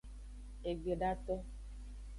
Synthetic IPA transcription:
e˨ɡ͡be˨ɖa˦tɔ˦

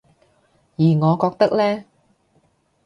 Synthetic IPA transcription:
jiː˨˩ŋɔː˨˧kɔː˧k̚t̪ɐ˥k̚lɛː˥

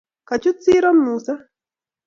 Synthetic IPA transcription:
ka˨t͡ʃu˦t͡si˦ɾɔ˦mmuːsa˦

